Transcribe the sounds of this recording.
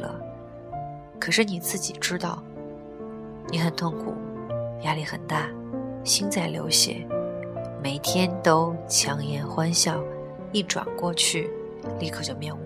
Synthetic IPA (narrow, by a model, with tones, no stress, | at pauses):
lə̰˩ | kʰɤ˨˩ʂɻ̩˥˩ni˨˩t͡sɹ̩˥˩t͡ɕi˨˩ʈ͡ʂɻ̩˥t̪ɑ˥˩ʊ | ni˧˥xə˨˩nt̪ʰʊ˥˩ŋkʰṵ˨˩ja˥li˧˥xə˨˩nt̪a˥˩ | ɕi˥nt͡sa˥˩ɪljo̰˧˥ʊɕjɛ̰˨˩˦ | me˨˩ɪt̪ʰjɛ˥nt̪o˥ʊt͡ɕʰjɑ˧˥ŋjɛ˧˥nxwa˥nɕjɑ˥˩ʊ | i˥˩ʈ͡ʂwa̰˨˩nkwɔ˥˧t͡ɕʰy˥˩ | li˥˩kʰɤ˨˩t͡ɕjo˥˧ʊmjɛ˥˧nu˥